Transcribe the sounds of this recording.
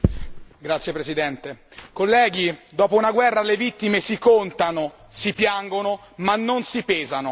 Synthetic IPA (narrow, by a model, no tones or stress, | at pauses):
ɡɾat̪sːjepɾezid̪ɛnt̪ekolːɛːɡid̪ɔːpounaɡwɛrːalevit̪ːimesikont̪ano | sipjaŋɡono | manːonsipɛːzano